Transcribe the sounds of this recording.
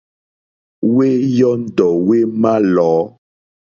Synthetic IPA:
we˦jɔ˦n̩˦dɔ˨we˦mã˦lɔː˨˦

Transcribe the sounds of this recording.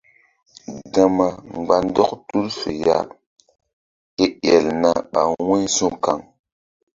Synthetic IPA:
da˦ma˨ŋɡ͡ba˦n˦dɔ˦ktu˦lfe˨ja̰˦ | ke˦jɛ˨lna˦ɓa˨wẽ˦sũ˦ka˨ŋ

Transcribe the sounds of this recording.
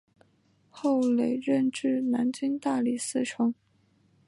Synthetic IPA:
xo˥˩ʊle˨˩ɪɻə˥˧nʈ͡ʂɻ̩˥˩na˧˥nt͡ɕy˥nt̪a˥˩li˨˩sɹ̩˥˩ʈ͡ʂʰʊ˧˥ŋ

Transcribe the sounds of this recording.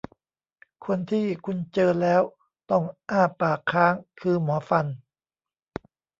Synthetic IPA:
kʰo˧nt̪ʰiː˥˩kʰu˧nt͡ɕɤː˧lɛː˦˥w | t̪ɔ˥˩ŋʔaː˥˩paː˨˩kʰːaː˦˥ŋkʰɯː˧mɔː˩˦fa˧n

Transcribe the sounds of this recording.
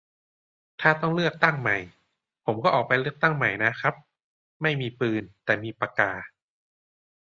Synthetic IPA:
t̪ʰaː˥˩t̪ɔ˥˩ŋlɯ˥˩ək̚t̪a˥˩ŋma˨˩j | pʰo˩˦mkɔː˥˩ʔɔː˨˩k̚pa˧jlɯ˥˩ək̚t̪a˥˩ŋma˨˩jna˦˥xʰɾa˦˥p̚ | ma˥˩jmiː˧pɯː˧nt̪ɛː˨˩miː˧pa˧kaː˧˩

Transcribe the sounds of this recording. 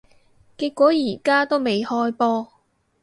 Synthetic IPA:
kiː˧kʷːɔː˨˥jiː˨˩kaː˥t̪o˥wme˨˧jhɔː˥jpɔː˥

